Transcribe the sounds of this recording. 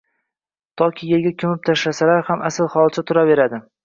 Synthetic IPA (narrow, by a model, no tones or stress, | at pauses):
t̪ʰɒkʲʰijelɡʲakʰʲʊmɪp̚t̪ʰaʃlasalaɾhamʔasɪlˠhɒlˠt͡ʃʰat̪ʰʊɾave̞ɾad̪ɪ